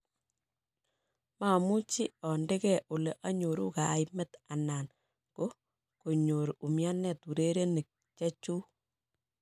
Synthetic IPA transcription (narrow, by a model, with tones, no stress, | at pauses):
ma˨mu˦t͡ʃi˦ɔ˨nde˦kɛ˨ʔo˨le˨ʔa˦ɲo˨ɾṵ˦ka˨jmɛ˦ta˨na˨n | ko˦ | ko˨ɲo˨ɾu˨mja˦nɛ˦˨tu˨ɾe˦ɾe˦ni˨k̚ | t͡ʃɛ˦t͡ʃu˦